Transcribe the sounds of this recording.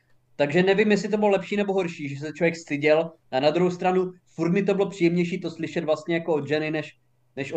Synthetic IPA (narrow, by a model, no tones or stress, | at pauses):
t̪aɡʒɛnɛvimjɛs̬lɪt̪̬obɪlolɛpʃiːnɛboɦo̞ɾʃiːʒɛs̬ɛt͡ʃlojɛkst̪ɪɟɛlʔanad̪ɾuɦowst̪ɾanufuɾt̪mɪt̪obɪlo̞pr̝̥iːjɛmɲɛjʃiːt̪o̞slɪʃɛt̪vlast̪ɲɛjakood̪ʒɛnɪnɛʃ | nɛʃʔo